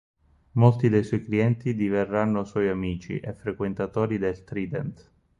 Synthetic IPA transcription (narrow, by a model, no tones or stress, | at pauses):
molt̪id̪ejswɔjkliɛnt̪id̪iverːanːoswɔjamiːt͡ʃḭʔefːɾekwent̪at̪oːɾid̪elt̪ɾiːd̪ɛnt̪